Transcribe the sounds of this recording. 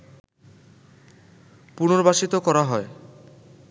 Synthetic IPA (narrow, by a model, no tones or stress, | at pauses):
punoɾbaʃit̪okɔɾaɦɔe